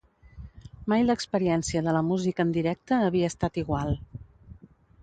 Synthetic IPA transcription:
majləkspəɾiɛnsiəðələmuzikəːnd̪iɾɛk̚t̪əːβ̞iəːst̪at̪iɣwalˠ

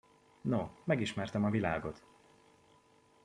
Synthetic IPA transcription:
nomɛɡiʃmɛrt̪ɛmɒvilaːɡo̞t̪

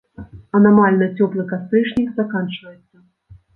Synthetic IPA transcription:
ɐnamalʲnɨt͡sʲɔplˠɨkast̪ɾʲɨʂnʲikzakant͡ʂvɐjɛt̪sːɐ

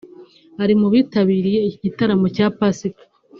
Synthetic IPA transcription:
haɾimuβiːtaβiːɾije̞iciɟitaɾamo̞caːpasikḁ

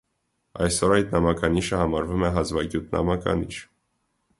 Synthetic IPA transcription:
ɑjsɔɾɑjt̪nɑmɑkɑniʃəhɑmɑɾvumɛɦɑzvɑɡjut̪̚nɑ̰mɑkɑ̰niʃ

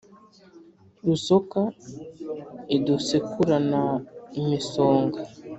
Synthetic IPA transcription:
ɾusoka | idusekuɾanaiɲisoːŋɡa

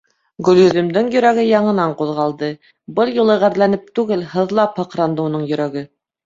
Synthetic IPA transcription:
ɡɵ̆ljɵ̆ðɘ̆md̪ɘŋjɵ̆ɾæɡɘjɑɴɤ̆nɑɴquðʁɑlˠd̪ɤ | bɤlˠjulˠɤʁæɾlænɘp̚t̪ʉɡɘlhɤ̆ðlˠɑphɤ̆qɾɑnd̪ɤunɤɴjɵ̆ɾæɡɘ

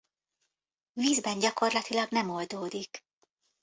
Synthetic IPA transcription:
viːzbɛnɟɒko̞rlɒt̪ilɒɡnɛmo̞ld̪oːd̪ik

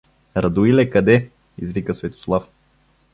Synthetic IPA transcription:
ɾɐd̪uilɛkɐd̪ɛ | izvikəsvɛt̪o̥slˠaf

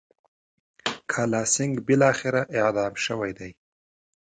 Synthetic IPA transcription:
kʰɑlɑsɪŋɡbɪlɑxɪɾaʔɪqd̪ɑmʃəwajd̪aj

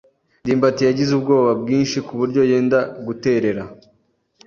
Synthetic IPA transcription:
diːmbatijaɟizub̚ɡo̞ːβabɡiːnʃikuβuɾɟo̞je̞ːndaɡute̞ːɾe̞ɾa

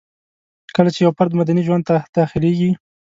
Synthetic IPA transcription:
kəlat͡ʃejawpaɾd̪mad̪aniʒwand̪̚t̪ad̪̥axɪleɡi

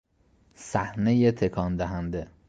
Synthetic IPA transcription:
sæhnejet̪ʰekʰɒːnd̪æɦænd̪e

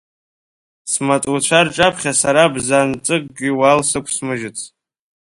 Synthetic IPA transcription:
smatʼut͡ɕʷʰarʈ͡ʂʼapʰχʲasaɾabzant͡sʼɨk̚ʼɡʲɪwalsɨkʷʰsmɨʒɪt͡sʰ

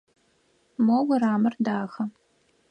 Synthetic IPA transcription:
mɔwɐraːmɨrdaːxɐ

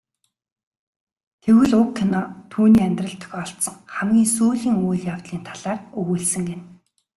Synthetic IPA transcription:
t̪ʰewɘ̆ɮʊkʰːenɔt̪ʰuːniːæmnʲt̪rə̆ɬt̪ʰœ̥xɔɬt̪sɞ̆ŋχæmɡʲiːŋsuːɮiːŋuːjɮjaw̥t̪ɮiːnt̪ʰḁɮ̥aːrɵɣuːɮsɘ̆ŋɡen

